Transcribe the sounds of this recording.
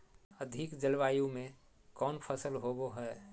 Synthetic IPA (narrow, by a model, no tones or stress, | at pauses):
əd̪ʱɪkd͡ʒəlʋaːjũmẽ | kɔːnpʰəsəlɦoboɦɛː